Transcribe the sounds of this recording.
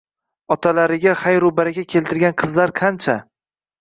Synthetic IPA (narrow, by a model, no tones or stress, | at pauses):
ɒt̪ʰalaɾɪɡʲaχajɾʊbaɾakʲakʲʰe̞lt̪ɪɾɡʲanqʰɨzlaɾqʰant͡ʃʰa